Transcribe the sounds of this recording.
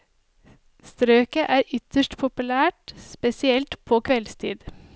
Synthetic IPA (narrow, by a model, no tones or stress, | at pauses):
st̪ɾøːkəʔæːɾʔʏt̪əʃʈpʰʊpʉlæːʈspɛsɪɛlt̪pʰoːkʰʋɛlst̪ʰḭːd̪